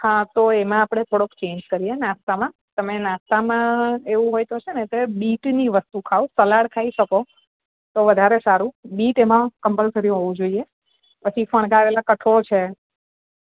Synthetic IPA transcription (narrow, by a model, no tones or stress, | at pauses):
hãt̪oemãːpɽ̃et̪ʰoɽokt͡ʃẽɲd͡ʒkəɾienãst̪amã | t̪əmenãst̪amãeʋũɦojt̪ot͡ʃʰenet̪ebiʈniʋəst̪ukʰausəlaɽkʰaiʃəko | t̪oʋəd̪ʱaɾesaɾũbiʈemãkəmpəlsəɾiɦoʋũd͡ʒoie | pət͡ʃʰifəɳ̃ɡaɾelakəʈʰot͡ʃʰe